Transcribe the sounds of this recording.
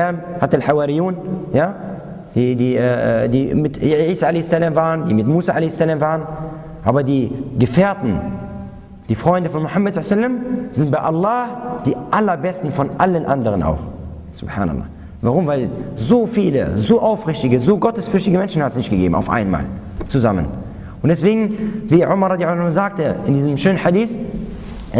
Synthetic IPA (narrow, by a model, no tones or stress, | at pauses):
aːmhatəalħawaɾijuːnjaː | d̥iːdiːʔɛːʔɛ̰diːmɪtʕiːsaːʔalɛɪsalaːmvaːʁəndiːmɪtmuːsaʔa̰lɛɪsalaːmvaːʁən | ʔaːbɐdiːɡəfeːɐtn̩ | d̥iːfʁ̥ɔʏndəfɔnmʊħamːadz̥asalːamz̥ɪntb̥aɪʔalːaːhd̥iːʔalɐbɛstn̩fɔnʔalənʔandəʁənʔa̰ʊx | sʊ̰b̥ħa̰ːna̰lːɑ̰ː | vaʁʊmvaɪlzoːfiːlə̰zoːʔaʊfʁɪçtɪɡəzoːɡɔtəsfʏɐçtɪɡəmɛnʃn̩hatə̥snɪçtɡ̥əɡḛːbm̩ʔa̰ʊfʔa̰ɪnma̰ːl | t͡suzamə̰n | ʔʊntd̥ɛsv̥eːɡŋ̩viːʕʊmɐʁɾɑdjaʊzaːk̚təʔɪndiːzəmʃøːnənħadiːs